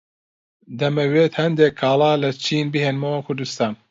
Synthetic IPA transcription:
d̪ɐmɐweːt̪hɐnd̪ekʰːɑːlaːlɐt͡ʃʰiːnbiheːnmɐwɐkʰʊɾd̪ust̪aːn

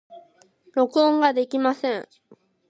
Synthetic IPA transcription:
ɾo̞kɯõŋɡad̪e̞kʲimasẽɴ

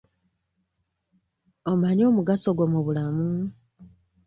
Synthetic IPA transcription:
omaɲo̞ːmuɡaso̞ɡwomuβulamu

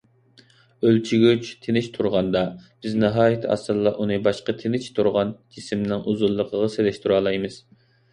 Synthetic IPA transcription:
ølt͡ʃʰiɡʲyt͡ʃt̪ʰenɪʃt̪ʰuɾʁɑnd̪ɑb̥ɪznɨɦɑːjit̪ʰɑ̰sɨlˠːɑʔunɨbɑʃqət̪ʰenɪt͡ʃʰt̪ʰuɾʁɑnd͡ʒisɪmnɪŋʔuzulˠːəqʰəʁɑselɛʃt̪ʰuɾɑːlˠɑjmɨz̥

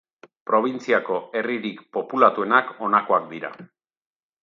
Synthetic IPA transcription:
pɾo̞β̞int͡siako̞e̞riɾikpo̞pulat̪ue̞nako̞nako̞ak̚d̪iɾa̰

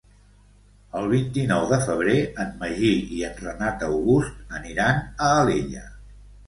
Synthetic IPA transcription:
əlˠβ̞int̪inɔwðəfəβ̞ɾeənməʒiiənrənat̪əwɣust̪̚əniɾanəːleʎə

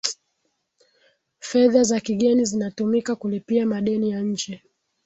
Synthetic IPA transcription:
fɛðazakiɠɛnizinatumikakulipiamaɗɛnijaɲ̩d͡ʒɛ

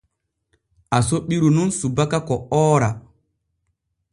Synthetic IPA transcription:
ʔasoɓiɾununsubakakɔɔːɾa

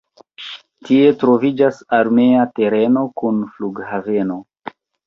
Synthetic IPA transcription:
tie̞tɾo̞vid͡ʒasaɾme̞ate̞ɾe̞no̞kunfluɡhave̞no̞

